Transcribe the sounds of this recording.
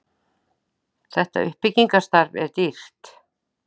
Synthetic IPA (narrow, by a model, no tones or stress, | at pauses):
θɛht̪a̰ʏ̰hpɪciŋkast̪aɾvɛ̰ɾt̪ir̥t̪